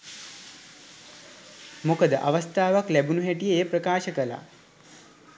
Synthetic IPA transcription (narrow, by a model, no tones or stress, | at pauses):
mokəd̪əʔaʋəst̪ʰaːʋaklæbunuɦeʈijeːpɾəkaːʃəkəla̰